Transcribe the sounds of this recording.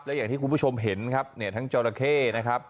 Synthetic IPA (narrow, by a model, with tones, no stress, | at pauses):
p̚lɛ˦˥jaː˨˩t̪ʰiː˥˩ku˧nbu˥˩t͡ɕʰo˧mɦe˩˦nkʰa˦˥p̚ni˥˩ɐt̪ʰa˦˥ŋt͡ɕɔː˧ɾa˧kʰeː˥˩na˦˥kʰa˦˥p̚